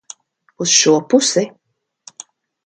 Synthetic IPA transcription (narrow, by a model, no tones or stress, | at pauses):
usʃuɔpusi